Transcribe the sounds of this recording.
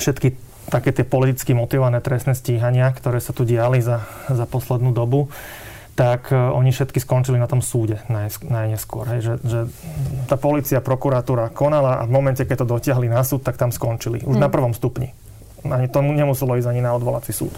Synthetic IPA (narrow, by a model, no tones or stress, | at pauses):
fʃɛt̪ki | t̪akɛːt̪ɪɛpɔlit̪it͡skimɔt̪iʋɔʋanɛːt̪ɾɛst̪nɛːsciːɦaɲɪakt̪ɔɾɛːsat̪uɟɪaliza | zapɔslɛd̪nuːd̪ɔbu | t̪akɔɲifʃɛt̪kiskɔnt͡ʃilinat̪ɔmsuːɟɛnajsnajɲɛskʊɔ̰ɾɦɛjʒɛʒɛt̪aːpɔliːt͡siapɾɔkuɾat̪uːɾakɔnalaʔa̰vmɔmɛncɛkɛɟ̚t̪ɔd̪ɔcɪaɦlinasuːt̪̚t̪ːak̚t̪amskɔnt͡ʃilḭʔuʒnapr̩ʋɔmst̪upɲḭ | aɲit̪ɔmuɲɛmusɛlɔiːzaɲinaɔd̪ʋɔla̰t͡sisṵːt̪